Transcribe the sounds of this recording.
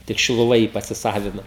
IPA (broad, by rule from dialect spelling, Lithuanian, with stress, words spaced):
tʲɪk ʃʲɪlˠʊˈʋɐ jiː pɐsʲɪˈsɑːʋʲɪnoː